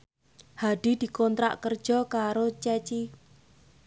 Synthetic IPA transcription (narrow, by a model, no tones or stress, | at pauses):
haɖ̥i̤d̪̥i̤kɔnt̪ɾa̰ʔkərd̥ʒ̥ɔ̤kaɾot͡ʃɛt͡ʃi